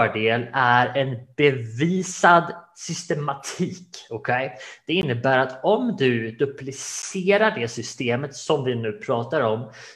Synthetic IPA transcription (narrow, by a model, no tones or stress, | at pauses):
œːɖeːlæɾɛnb̥ɛviːsad̪sʏst̪ɛmat̪ʰiːkɔkʰɛjd̪̥ɛɪnːəbæːɾat̪ɔmd̪ɵd̪ɵplɪseːɾaɖɛsʏst̪eːmət̪sɔmvɪnʉ̟ːpʰɾɑːt̪aɾɔm